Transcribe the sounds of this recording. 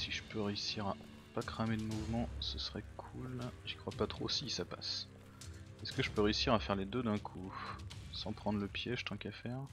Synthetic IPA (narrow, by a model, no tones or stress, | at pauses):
siʒəpøʁeysiʁa | pakχamed̪əmuvmɑ̃səsəʁɛkʰulʒikχwapat̪χosisapa̰s | ɛskəʒəpøʁeysiʁafɛʁled̪ød̪ɛ̃kʰu | sɑ̃pχɑ̃d̪ʁləpjeʒət̪ɑ̃kafɛːʁ